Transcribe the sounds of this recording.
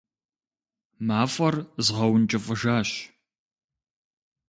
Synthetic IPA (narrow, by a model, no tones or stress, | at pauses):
maːfʼɐrzʁɐwnt͡ʃʼɐfʼɐʒaːɕ